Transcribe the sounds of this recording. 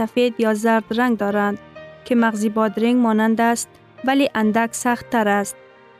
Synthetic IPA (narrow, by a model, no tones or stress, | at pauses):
safed̪jɒzaɾd̪ɾaŋd̪ɒɾand̪kʲʰɪmaʁzɪbɒd̪ɾɪŋmɒnand̪ast̪̚ | valeʔand̪akʲsaχt̪ʰːaɾast̪̚